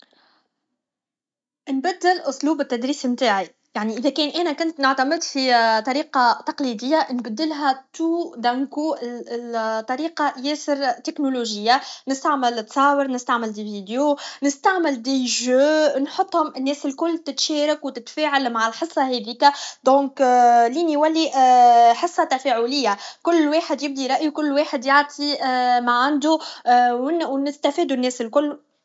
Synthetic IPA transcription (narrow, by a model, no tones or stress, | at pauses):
ʔnbæd̪ːɪlʔʊsˤluːbɪt̪ːæd̪ɾiːsmt̪aːʕi | jaʕniʔɪðækɛːnʔɛːnækʊnt̪nʊʕt̪æmɪd̪fit̪ˤɑɾiːqɑt̪ɑqlid̪ɪjːanbæd̪ːɪlɦæt̪uːd̪æŋkuʔ | t̪ˤːɑɾiːqɑjɛːsɪɾt̪ɪknoloʒɪjːanɪst̪aʕmɪlt̪sˤɑːwəɾnɪst̪aʕmɪld̪iviːd̪jonɪst̪aʕmɪld̪iʒøːnħot̪ˤːhʊmɪnːɛːsɪlkʊlːt̪ɪt̪ʃɛːɾakwt̪ɪt̪fɛːʕalmaʕalħəsˤːɑhɛd̪iːkæd̪ɔ̃ːkliːniwælːi | ħəsˤːɑt̪æfɛːʕulɪjːakʊlːwɑːħəd̪jɪb̚d̪iɾˤɑʔjukʊlːweːħəd̪jɑʕt̪ˤʰimaʕand̪u | wnɪst̪æfiːd̪unːɛːsɪlkʊlː